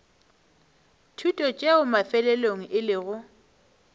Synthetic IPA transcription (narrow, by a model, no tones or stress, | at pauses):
tʰutʼɔt͡ʃʼeʊmafɛlɛloŋ̩ʔɪlɪɣʊ